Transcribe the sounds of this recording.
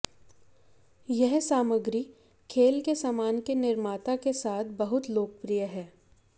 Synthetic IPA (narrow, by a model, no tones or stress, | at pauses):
jɛɦsaːməɡɾi | kʰeːlkesaːmaːnkenɪɾmaːt̪akesaːt̪ʰbɐɦʊt̪loːkəpɾijəɦɛː